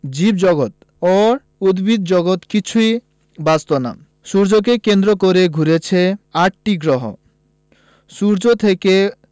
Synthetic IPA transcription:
d͡ʑibd͡ʑɔɡot̪ | oɾ | ud̪bid̪d͡ʑɔɡot̪kit͡ɕʰuj | bast̪ona̰ | suɾd͡ʑok̬ekend̪ɾokoɾeɡʱuɾet͡ɕʰeaʈ̚ʈiɡɾɔɦo̰ | suɾd͡ʑot̪ʰeke

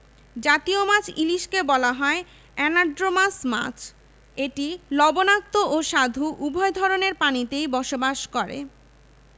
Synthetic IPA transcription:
d͡ʑat̪iomat͡ɕʰiliʃkebɔlaɦɔe | ɛnaɾɖɾomasma̰t͡ɕʰ | eʈilɔbonak̚t̪oʔoʃad̪ʱuʔubʱɔed̪ʱɔɾoneɾpanit̪ejbɔʃobaʃkɔɾḛ

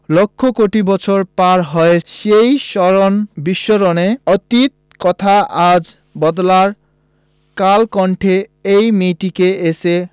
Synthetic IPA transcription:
lokʰːokoʈibɔt͡ɕʰoɾpaɾɦɔeʃejʃɔɾonbiʃːoɾoneɔt̪it̪̚ | kɔt̪ʰaʔad͡ʑ | bɔd̪laɾ | kalkɔɳʈʰeejmiʈikeese

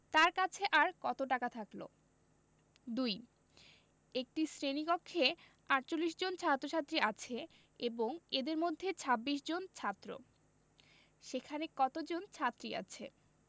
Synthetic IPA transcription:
t̪aɾkat͡ɕʰeʔaɾkɔt̪oʈakat̪ʰaklo̰ | d̪uj | ek̚ʈisɾenikokʰːe | aɾt͡ɕolːiʃ̬d͡ʑont͡ɕʰat̪ːɾot͡ɕʰat̪ːɾiat͡ɕʰe | eboŋed̪eɾmod̪ʱːet͡ɕʰabːiʃd͡ʑont͡ɕʰat̪ːɾo̰ | ʃekʰanekɔt̪od͡ʑont͡ɕʰat̪ːɾia̰t͡ɕʰḛ

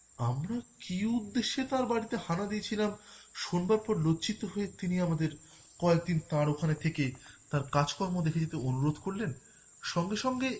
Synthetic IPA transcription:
amɾakiud̪ːeʃːet̪aɾbaɽit̪ehanad̪iet͡ɕʰilamʃonbaɾpɔɾlot͡ɕit̪ːoɦoet̪iniamad̪eɾ | kɔet̪int̪aɾokʰanet̪ʰeket̪aɾkad͡ʑkɔɾmod̪ekʰed͡ʑet̪eonuɾod̪ʱkoɾlen | ʃɔŋɡeʃɔŋɡe

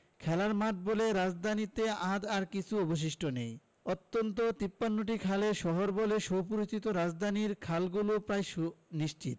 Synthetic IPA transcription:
kʰɛlaɾmaʈ̚boleɾad͡ʑd̪ʱanit̪ead̪aɾkit͡ɕʰuɔboʃ̬iʃʈonej | ot̪ːont̪ot̪ipːanːoʈ̬ikʰaleʃɔɦoɾboleʃowpuɾot͡ɕit̪oɾad͡ʑd̪ʱaniɾkʰalɡulopɾajʃuniʃt͡ɕit̪

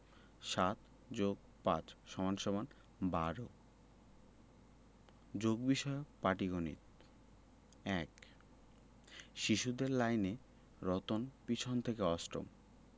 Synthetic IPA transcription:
ʃat̪ | d͡ʑoɡ̚ | pã̰t͡ɕʃɔmanʃɔman | baɾo | d͡ʑoɡbiʃɔepaʈiɡonḭt̪ | ɛk | ʃiʃud̪eɾlajne | ɾɔt̪onpit͡ɕʰont̪ʰekeɔsʈo̰m

